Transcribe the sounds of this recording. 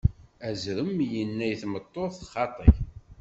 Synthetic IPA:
æzɾəmjənːæjθmət̪ˤːoθχɑt̪ˤə̰ç

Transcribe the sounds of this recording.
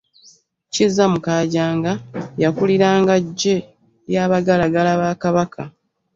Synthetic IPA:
cizːamukaːɟaːŋɡajakuliɾaːŋɡaɟːe | jaːβaɡalaɡalaβaːkaβakʰa̰

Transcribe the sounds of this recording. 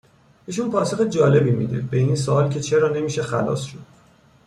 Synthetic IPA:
iːʃ̬unpʰɒːso̞xed͡ʒɒːle̞bimḭd̪ḛbe̞ins̬oɒːlcʰe̞t͡ʃʰe̞ɾɒːne̞miːʃe̞xæ̰lɒ̰ːsʃod̪̥̚

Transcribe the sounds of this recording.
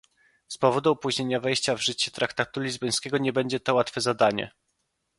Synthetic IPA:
spɔvɔd̪uɔpuʑɲeɲavɛjɕt͡ɕavʐɘt͡ɕɛt̪ɾʔakt̪at̪ulʲizbɔj̃skʲɛɡɔɲɛbɛɲd͡ʑɛt̪ɔwat̪fɛzad̪aɲɛ̰

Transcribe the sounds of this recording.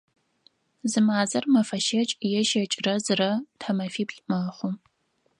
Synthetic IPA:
zɨmaːzɐrmɐfɐʃɐt͡ʃʼjɛʃɐt͡ʃʼrɐzɨrɐtʰɐmɐfiːpɬʼmaːχʷʊm

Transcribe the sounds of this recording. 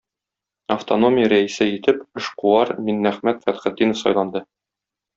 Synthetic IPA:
ɐft̪ono̞mʲɪjəɾæisɘit̪ɘpɘ̆ʃquɑɾminːæχmæt̪fæt̪χɘ̆d̪ːinəfsɒ̰jlˠɑnd̪ɤ

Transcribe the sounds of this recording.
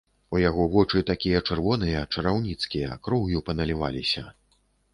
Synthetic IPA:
ujaɣɔvɔt͡ʂɨt̪akʲijɐt͡ʂɛrvɔnɨjɐt͡ʂɐɾawnʲit̪skʲijɐ̰kɾɔwjupɐnɐlʲiva̰lʲisʲɐ

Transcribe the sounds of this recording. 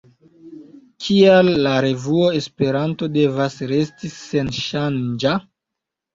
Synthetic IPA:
kʰialːaɾe̞vuoe̞spe̞ɾanto̞de̞vasɾe̞stise̞nʃand͡ʒa

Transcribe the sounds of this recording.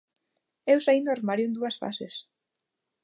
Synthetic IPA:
ewsaind̪aɾmaɾjʊẽnd̪uɐsfa̰ses

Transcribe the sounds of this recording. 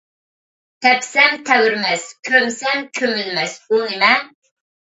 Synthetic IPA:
t̪ʰɛpsɛmt̪ʰɛwyɾmɛskʲʰømsɛmkʲʰømylmɛsunɪmɛ

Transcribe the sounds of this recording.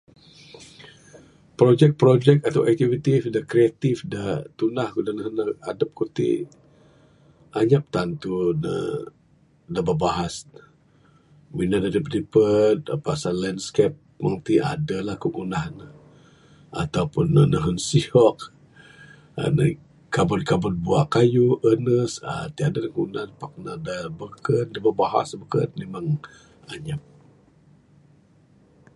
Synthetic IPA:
pɾod͡ʒɛk̚pɾod͡ʒɛkat̪awʔɛk̚t̪ivit̪ifdakɾiat̪ifdat̪unahkudanəɦənəadap̚kut̪ḭ | ʔaɲap̚t̪ant̪unə̰ | dababaɦas | minadadəpdipət̪̚pasalɛndskɛp̚ | məŋt̪iʔa̰dəlahkuʔunahnə | ʔa̰t̪aupʊnːənəɦənsiɔk̚ | ə̰nə̰ | kabʊt̪̚kabʊt̪̚buaʔkajuʔənəsə̰t̪iadalakəunahnpak̚nadabəkən̚dababaɦa̰sbəkə̰t̪memaŋ | a̰ɲap̚

